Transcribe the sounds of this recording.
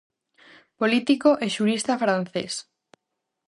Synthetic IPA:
polit̪ikoʔeʃuɾist̪afɾan̟θḛs

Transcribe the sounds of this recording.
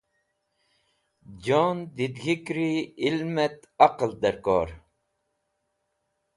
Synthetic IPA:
d͡ʒoːnd̪id̪ɣikɾiilmɛt̪ | aqəld̪ɛɾkɔ̰ːɾ

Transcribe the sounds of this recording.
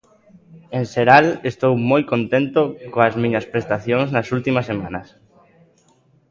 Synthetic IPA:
ẽnseɾalest̪owmojkont̪ẽnt̪okoazmĩɲɐspɾest̪aθjõŋznasult̪imɐsːemã̰nɐs

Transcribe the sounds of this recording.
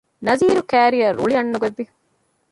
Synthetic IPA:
nɐziːɾukæːɾijɐɾʔṵɭiɐɳːuɡɐd̪ːi

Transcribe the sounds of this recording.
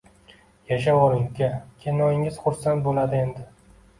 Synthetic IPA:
jaʃ̬awɒlɪŋkʲakʲʰenɒjɪŋɪz̥χʊɾsant̪̚bolad̪ɪe̞nd̪ɪ

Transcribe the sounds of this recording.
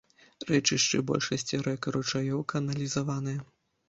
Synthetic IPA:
rɛt͡ʂɨʂt͡ʂɨbɔ̰lʲʂɐsʲt͡sʲiɾɛɐkɐɾut͡ʂajɔwkɐɐnɐlʲizavanɨjɐ

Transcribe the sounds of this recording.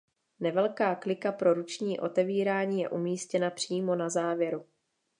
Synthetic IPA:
nɛvɛlkaːklɪkapɾo̞ɾut͡ʃɲiːʔo̞t̪ɛviːɾaːɲiːjɛ̰ʔumiːscɛnapr̝̥iːmo̞nazaːvjɛɾu

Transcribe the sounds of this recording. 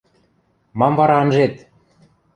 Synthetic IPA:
mɑmvɑɾɑə̆nʒet̪

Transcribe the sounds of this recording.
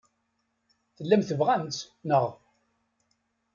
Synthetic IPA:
θəlːæmθəvʁænt̪sknəʁ

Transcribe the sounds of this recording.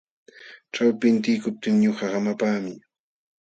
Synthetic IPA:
ʈ͡ʂawpɪnt̪ɪjkʊp̚t̪ɪŋɲʊhahamapaːmɪ

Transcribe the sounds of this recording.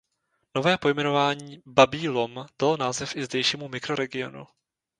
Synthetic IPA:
no̞vɛːpo̞jmɛno̞vaːɲiːbabiːlomd̥alnaːzɛfɪzdɛjʃiːmumɪkɾo̞ɾɛɡɪo̞̰nṵ

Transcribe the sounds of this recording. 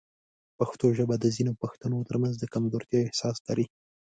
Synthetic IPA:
paxt̪oʒəbad̪əzinopaxt̪anot̪əɾmanzd̪əkamzoɾt̪jɑɪhsɑslaɾi

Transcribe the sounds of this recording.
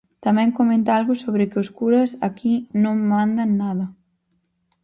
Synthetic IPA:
t̪amɛ̃ŋkomẽnt̪alɣʊsoβɾɪkɪoskuɾɐsakinõŋmand̪ɐnːaðɐ

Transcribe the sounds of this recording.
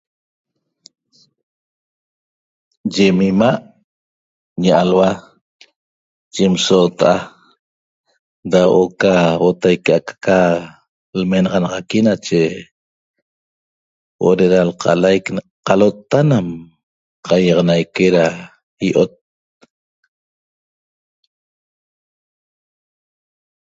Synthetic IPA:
d͡ʒemimaʔ | ɲaʔalwa | d͡ʒemsoːt̪aʔa | dawʔokawot̪ajkeakḁka | lmenɑʁɑnɑʁɑkinat͡ʃe | wʔo̰ɾeɾalqʰɑ̰lajk | qɑlot̪ːanam | qɑjɑʁɑnajkeɾa | iʔot̪̚

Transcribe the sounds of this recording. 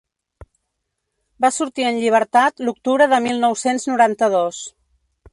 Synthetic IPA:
basuɾt̪iənʎiβ̞əɾt̪at̪luk̚t̪uβɾəðəmilˠnɔwsenznuɾant̪əðɔs

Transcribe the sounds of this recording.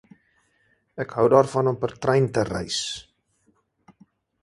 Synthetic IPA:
ɛkɦœwdɑːrfɐnɔmpərtrɛjntərɛ̰js

